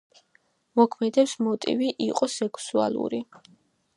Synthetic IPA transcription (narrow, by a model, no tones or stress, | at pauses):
mɔkʰmɛd̪ɛpsmɔt̪ʼḭviʔiqʼɔsɛkʰsua̰lˠṵɾi